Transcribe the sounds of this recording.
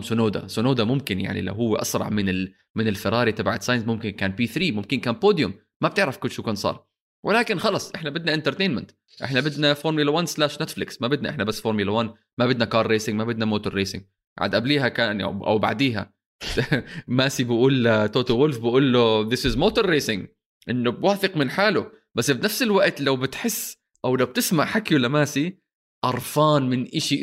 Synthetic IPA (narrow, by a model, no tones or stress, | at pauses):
sʊnoːd̪a̰sʊnoːd̪amʊmkɪnja̰ʕnḭla̰wɦʊwːḛʔɑ̰sɾˤɑ̰ʕmɪnɪl | mɪnɪlfɪɾˤɑːɾit̪ɑbaʕat̪sɑjɪnsmʊmkɪnkaːnpiːθɾiːmʊmkɪnkaːnpoːd̪jʊmːab̚t̪ɪʕɾafkʊlʃukaːnsˤɑ̰ːɾˤ | wʔɪlaːkɪnxɑlɑsˤʔɪħnabɪd̪naʔɪnt̪ɑɾˤt̪eːnmɪ̰nt̪ | ʔɪ̰ħnabɪd̪nafoːɾˤmɪlawanslaːʃnet̪flɪksmabɪd̪naʔɪħnabasːfoːɾmɪlawan | mabɪd̪nakɑːɾˤːeːsɪŋɡmabɪd̪namoːt̪ʊɾˤːeːsɪ̰ŋ | ʕa̰d̪ʔabliːɦakaːna̰ʔa̰wba̰ʕd̪iːɦa̰ | maːsibɪʔuːlt̪oːt̪owʊlfbɪʔuːlːoðɪsɪzmoːt̪ʊɾːeːsɪŋ | ʔɪnːʊbwaːfɪqmɪnħaːlʊ | basːfinafsɪlwaʔt̪lawbɪt̪ħɪsː | ʔawlawb̚t̪ɪsmaʕħakiwalːamaːsi | ʔɑɾˤfɑːnmɪnʔɪʃi